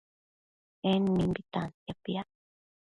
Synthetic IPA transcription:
enmimbit̪anjapia

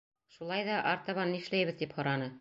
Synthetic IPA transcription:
ʃulˠɑjðɑʔɑɾt̪ɑβɑniʃlæjβɘ̆ðt̪iphŏɾɑnɤ

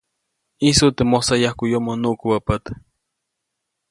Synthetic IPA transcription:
isut̪emosajahkujomonuʔkuwapat̪

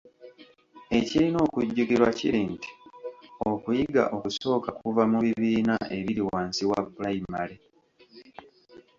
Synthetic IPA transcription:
e̞cilino̞ːkuɟːuɡiɾwacḭɾiːnti̥o̞kujiɡa̰ʔo̞kuso̞ːkakuvamuβiβiːnaʔe̞βiɾiwaːnsiwabulajimale

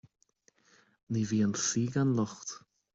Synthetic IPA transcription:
niviːənsiːɡanlˠɔχt

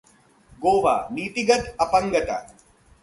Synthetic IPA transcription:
ɡoːʋa̰ːniːt̪iɡɐt̪ɐpɐ̃ŋɡɐt̪a̰

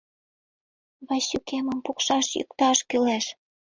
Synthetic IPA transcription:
βɑɕykemə̆mpukʃɑʃjy̰k̚t̪ɑʃkyleʃ

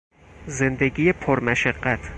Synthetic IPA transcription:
zɪnd̪aɡʲɪjapʰoɾmaʃaqːat̪ʰ

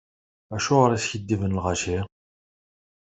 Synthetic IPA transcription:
æʃʊʁɾæsçəd̪ːivənlʁɑʃi

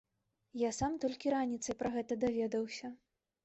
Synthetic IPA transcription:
jasamt̪ɔlʲkʲiɾanʲit̪sɐjpɾɐɣɛt̪ɐd̪avʲɛd̪ɐwsʲɐ

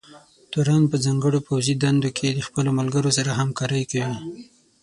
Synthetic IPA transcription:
t̪oɾɑnpəzɑŋɡəɽopawzid̪and̪okʰed̪əxpəlomalɡəɾosaɾaɦamkɑɾəjkawi

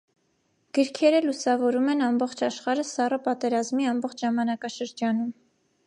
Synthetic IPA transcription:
ɡ̥əɾkʰɛɾəlusɑvɔɾumɛnɑmbɔχt͡ʃʰɑʃχɑɾəsɑrəpɑt̪ɛɾɑzmiɑmbɔχt͡ʃʰʒɑmɑnɑkɑʃəɾd͡ʒɑnum

